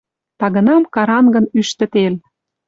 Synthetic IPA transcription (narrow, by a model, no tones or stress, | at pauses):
t̪ɑɣə̆nɑmkɑɾɑnɡə̆nyʃt̪ə̆t̪el